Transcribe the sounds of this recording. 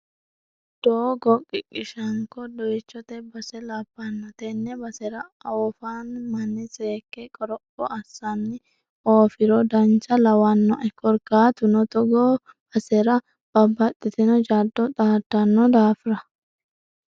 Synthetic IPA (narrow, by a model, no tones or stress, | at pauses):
d̪̥oːɡɔkʼːɪkʼɪʃɐŋkɔd̪ɔjt͡ʃːɔt̪ɛbɐsɛlɐbːɐnːɐt̪ɛnːɛbɐsɛɾɐɐwɔfanmɐnːɪseːkːɛkʼɔɾɔpʼːɔɐsːɐnːɪ | oːfɪɾɔd̪ɐnt͡ʃɐlɐwɐnːɔʔɛkːɔɾkaːt̪ʊnɔt̪ɔɡoː | b̥ɐsɛɾɐ | b̥ɐbːɐt̪ʼːɪt̪ɪnɔd͡ʒad̪ːɔt̪ʼaːt̪ːɐnːɔd̪aːfɪɾɐ